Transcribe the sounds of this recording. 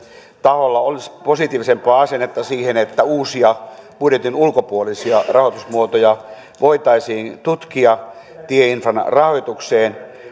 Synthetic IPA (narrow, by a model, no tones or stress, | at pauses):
t̪ɑholːɑolisposit̪iːʋisempɑːɑsenːet̪ːɑsiːhenet̪ːæuːsiɑpuɾjet̪inulkopuolisiɑrɑhoˑt̪usmuot̪ojɑ | ʋoit̪ɑisiːnt̪ut̪kiɑ | t̪ieinfrɑnrɑhojt̪ukseːn